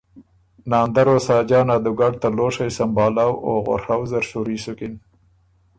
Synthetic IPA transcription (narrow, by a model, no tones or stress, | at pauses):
nɑːnd̪aɾosɑːd͡ʒɑːnad̪ʊɡaɖ̚t̪aloʂajsambɑːlawoɣa̰ɾhawzaɾʃuɾisʊkɪn